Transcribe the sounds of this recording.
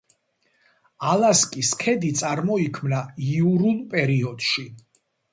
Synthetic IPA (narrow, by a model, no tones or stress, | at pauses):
alˠaskʼiskʰɛd̪it̪sʼaɾmɔikʰmnaiuɾulˠpʼɛɾiɔd̪̥ʃi